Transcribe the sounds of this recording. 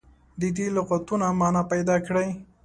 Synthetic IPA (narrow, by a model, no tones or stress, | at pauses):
d̪əd̪elʊqat̪unamɑnapajd̪ɑkɽaj